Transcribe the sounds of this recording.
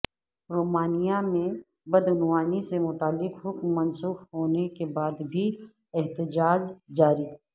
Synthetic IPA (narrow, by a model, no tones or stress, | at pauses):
ɾoːmaːnijamẽ | bɐd̪ʊnwaːnisemʊt̪aːlːɪqɦʊkmːɐnsuːfɦoːnekebaːd̪bʱi | ɛɦt̪ɪd͡ʒaːd͡ʒd͡ʒaːɾiː